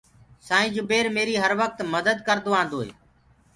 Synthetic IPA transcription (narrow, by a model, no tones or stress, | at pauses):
saːɦĩːd͡ʒʊbeːɾmeːɾiːɦəɾʋək̚t̪məd̪əd̪kəɾd̪oːãːnd̪oːɦḛː